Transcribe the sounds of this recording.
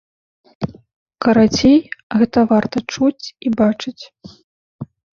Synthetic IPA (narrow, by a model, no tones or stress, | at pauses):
kɐɾat͡sʲejɣɛt̪ɐvart̪ɐt͡ʂut͡sʲibat͡ʂɨt͡sʲ